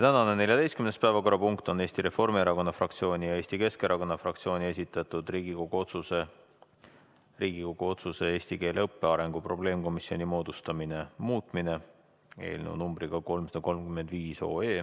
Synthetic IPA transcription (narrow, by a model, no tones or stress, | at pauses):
t̪ænɑne̞ne̞lʲjɑd̪e̞jstkymnespæevɑko̞ɾɑpuŋkt̪o̞ne̞ːsʲt̪iɾe̞fo̞rmieɾɑko̞nːɑfrɑk̚t̪sio̞ːnʲijɑe̞ːsʲt̪ike̞ske̞ɾʔɑko̞nːɑfrɑk̚t̪sio̞ːnʲie̞sʲit̪ːˑɑt̪ˑud̪riːɡiko̞ɡ̥uot̪suse | riːɡiko̞ɡ̥uo̞t̪suse̞e̞ːsʲt̪ike̞ːleɤpːe̞ɑɾe̞ŋɡ̥upro̞ble̞ːmko̞misio̞nimo̞ːd̪ust̪ɑmine̞muːt̪ˑmine̞ | ḛːlnḛwnumbriɡ̥ɑko̞lmsɑd̪ɑko̞lmkymend̪viːso̞̰ːe̞ː